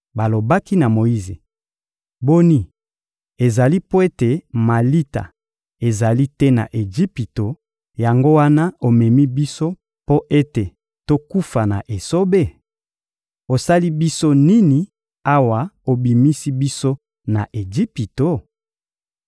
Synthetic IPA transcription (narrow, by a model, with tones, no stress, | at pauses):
ba˨lo˨ba˦ki˦na˨mo˨i˦ze˨ | bo˦ni˦ | e˨za˨li˦po˦e˦te˨ma˨li˦ta̰˨ | e˨za˨li˦tɛ˦na̰˨ʔe˨ɡi˦pi˨to˨ | ja˨ŋɡo˦wa˦na˦o˨mɛ˨mi˦bi˦so˦ | po˦ʔe˦te˨ | to˦ku˦fa˨na˨ʔe˨so˦be˦ | o˨sa˦li˦bi˦so˦ni˦ni˨ | a˦wa˨o˨bi˨mi˦si˦bi˦so˦ | na˨ʔe˨d͡ʒi˦pi˨to˨